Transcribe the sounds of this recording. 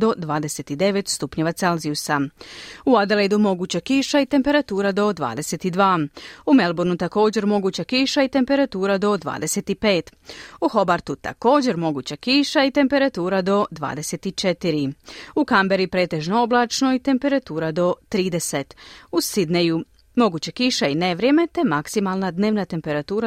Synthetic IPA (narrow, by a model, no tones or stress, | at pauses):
d̪o̞d̪ʋaːd̪e̞se̞t̪id̪e̞ʋe̞t̪st̪upɲeʋat̪se̞lziusauad̪eled̪umo̞ɡuːt͡ɕakiʃait̪e̞mpe̞ɾat̪uːɾad̪o̞d̪ʋa̰ːd̪e̞se̞t̪id̪ʋaːume̞lˠboɾnut̪ako̞ːd͡ʑe̞ɾmo̞ɡuːt͡ɕakiʃait̪e̞mpe̞ɾat̪uːɾad̪o̞d̪ʋa̰ːd̪e̞seːt̪ipe̞ːt̪uxo̞baɾt̪ut̪a̰ko̞ːd͡ʑe̞ɾmo̞ɡuːt͡ɕakiʃait̪e̞mpe̞ɾat̪uːɾad̪o̞d̪ʋa̰ːd̪e̞se̞t̪it͡ʃet̪iɾiukambeɾipɾe̞ːt̪e̞ʒnooblˠat͡ʃno̞it̪e̞mpe̞ɾat̪uːɾad̪o̞t̪ɾiːd̪e̞set̪usid̪neju | mo̞ɡuːt͡ɕekiʃaine̞ʋɾje̞me̞t̪e̞maksimalˠnad̪ne̞ːʋnat̪e̞mpe̞ɾat̪uːɾa